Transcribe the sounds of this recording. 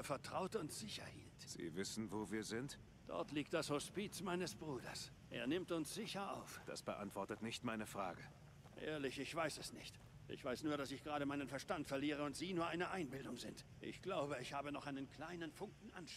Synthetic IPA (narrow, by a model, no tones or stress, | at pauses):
fɛɐtʁ̥aʊtʊntz̥ɪçɐ̰hḭːltz̥ḭːvɪsn̩voːviːɐzɪnt | d̥ɔ̰ɐtliːk̚td̥ashospiːt͡smaɪnəsb̥ʁuːdɐ̰s | ʔeːɐnɪmtʊnsz̥ɪçɐa̰ʊfd̥a̰sb̥əʔa̰ntv̥ɔɐtətnɪçtmaɪnəfʁ̥a̰ːɡə | ʔḛːɐlɪçɪçv̥aɪsɛsnɪçt | ʔɪ̰çv̥aɪsnuːɐɾasɪçɡ̥ʁaːɾəmaɪnənfɛɐʃtantfɛɐliːʁ̞əʊntz̥iːnuːɐʔaɪnəʔaɪnbɪldʊŋzɪntʔɪ̰çɡ̥laʊbəɪçhaːbənɔχʔaɪnənkl̥aɪnənfʊŋkŋ̩ʔanʃ